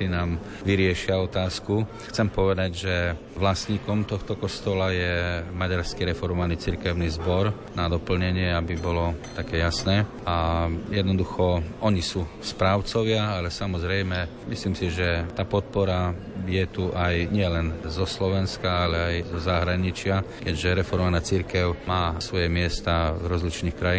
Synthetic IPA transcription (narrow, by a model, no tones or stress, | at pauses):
inaːm | ʋiɾɪɛʃɪaɔt̪aːsku | xt͡sɛmpɔʋɛd̪aɟʒɛ | ʋlasɲiːkɔmt̪ɔxt̪ɔkɔst̪ɔlajɛmaɟaɾskiɾɛfɔɾmɔʋaniːt͡siɾkɛʊnizbɔɾ | nad̪ɔpl̩ɲɛɲɪɛabibɔlɔt̪akɛːjasnɛː | ajɛd̪nɔd̪uxɔʔɔɲisuː | spɾaːʊt͡sɔʋɪaalɛsamɔzɾɛjmɛ | misliːmsiʒɛt̪aːpɔt̪̚pɔɾa | jɛt̪uʔajɲɪɛlɛnzɔslɔʋɛnskaalɛajzɔzaɦɾaɲit͡ʃɪakɛɟʒɛɾɛfɔɾmɔmʋanaːt͡siɾkɛʊmaːsʋɔjɛmɪɛst̪avɾɔzlit͡ʃniːxkɾajiː